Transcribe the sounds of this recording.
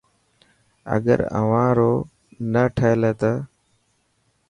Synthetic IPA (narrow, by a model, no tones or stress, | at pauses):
ə̰ɠə̰ɾə̰ʋãːɾoː | nəʈʰəleːt̪ə